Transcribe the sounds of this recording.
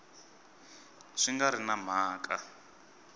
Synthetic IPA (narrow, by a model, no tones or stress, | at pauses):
ʂiŋɡaɾinam̤aːkʼa